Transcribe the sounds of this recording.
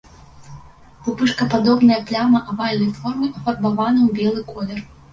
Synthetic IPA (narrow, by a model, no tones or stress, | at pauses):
pupɨʂkɐpad̪ɔbnɐjɐplʲamɐʔavalʲnɐjfɔrmɨɐfɐrbavanɐwbʲɛlˠɨkɔlʲɛr